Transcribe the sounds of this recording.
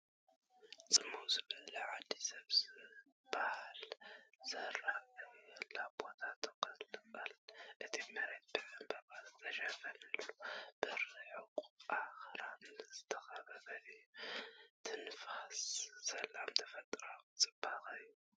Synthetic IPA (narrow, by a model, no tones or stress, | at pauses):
t͡sʼɨmːuzɨβɨlʕad̪ːisɐβzɨ | bahalz̥ɐralːabot̪ʰat̪ʰɐkʼɐlɨbalɨt̪ʔɨt̪ʰimɐɾet̪̚bɨʔɨmbɐɾbalt̪ʰɐʃɐfɐnɨlːub̥ɨɾɨħɨkʼʔaxɾanzɨt̪ʰɐxɐβɐβɐlɨjːut̪ʰɨnfasːɐlamt̪ʰɐfɐt̪ʼɾamɨt͡sʼɨb̥axɨjːu